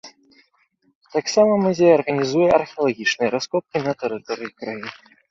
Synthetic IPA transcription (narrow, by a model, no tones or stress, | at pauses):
t̪aksamɐmuzʲejɐɐrɣɐnʲizujɛʔɐrxʲɛɐlˠaɣʲit͡ʂnɨjɛɾaskɔp̚kʲinɐt̪ɛɾɨt̪ɔɾɨjikɾajin